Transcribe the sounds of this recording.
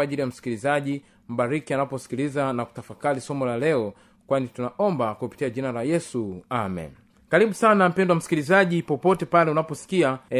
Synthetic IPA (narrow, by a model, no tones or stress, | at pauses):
aʄilijam̩si̥kilizaʄi | m̩ɓaɾikianapɔsi̥kilizanaku̥tafakalisɔmɔlalɛɔ | kwanitunaɔmbakupi̥tiaʄinalajɛsuamɛ̰n | kaɾiɓusanam̩pɛndɔwam̩si̥kilizaʄipɔpɔtɛpalɛunapɔsi̥kia